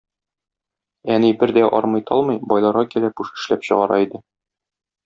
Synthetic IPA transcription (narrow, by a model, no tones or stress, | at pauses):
ænibɘɾd̪æʔɒ̰ɾmɤjt̪ʰɒlˠmɤjbɒjlˠɑɾʁɑkilæpuʃɘ̥̆ʃlæpɕɤ̰̆ʁɑɾɑ̰id̪ɘ